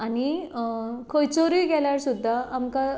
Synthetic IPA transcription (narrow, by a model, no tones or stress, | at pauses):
ani | kʰojt͡soɾiːɡɛljaɾsud̪ʱːaʔːmka